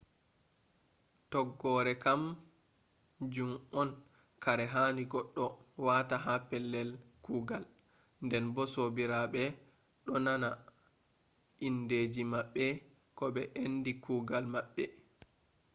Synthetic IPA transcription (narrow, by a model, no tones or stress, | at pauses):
tɔɡːɔɾɛkam | d͡ʒumɔn | kaɾɛɦaːniɡɔɗːɔwaːtaɦapɛlːɛlkuːɡal | ndɛnbɔsobiɾaɓɛ | ɗɔnana | ʔinded͡ʒimaɓːɛ | kɔbɛʔendikuːɡalmaɓːɛ